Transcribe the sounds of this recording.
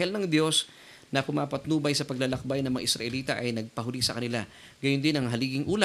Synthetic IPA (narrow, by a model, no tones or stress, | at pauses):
hɛlnɐŋd̪jo̞s | nɐpʊmaːpɐt̪nuːbɐjsɐpɐɡ̚lɐlɐk̚bajnɐŋmɐŋa̰ʔɪsɾɐ̰ʔɛliːt̪ɐʔɐjnɐɡ̚pɐɦʊlisɐkɐnɪla | ɡɐjʊnd̪ɪnɐŋɦɐliːɡɪŋʔuːl